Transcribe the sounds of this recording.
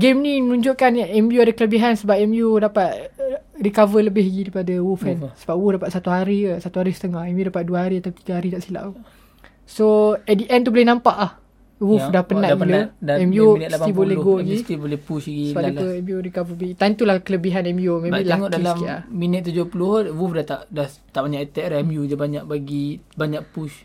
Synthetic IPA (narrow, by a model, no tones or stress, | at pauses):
ɡemnĩmənũɲd͡ʒʊʔkanɛmjuadakələbiɦansəbap̚ɛmjudapat̪̚rikavələbɪɦɡiɾipadawufɛnsəbap̚wuhdapat̪̚sat̪uɦaɾisat̪uɦaɾisə̥t̪əŋahɛmjudapat̪̚duəɦaɾiat̪awt̪iɡaɦaɾid̪aʔsila̰ʔu | soɛt̪̚dəʔɛnt̪ubolɛhnãmpaʔah | wufdahpənaɡilodɛmjunaibolɛhɡoɡist̪ibolɛhpuʃɡiəbaʔiəɛmjuɾikavəbit̪ant̪ulakələbiɦanɛmjomẽlaŋɔʔdalaiaminət̪̚ːud͡ʒopuluhwufdat̪aʔdaht̪aʔbaɲaʔət̪ɛʔlaɛmjud͡ʒabaɲaʔ̚baɡibaɲaʔpuʃ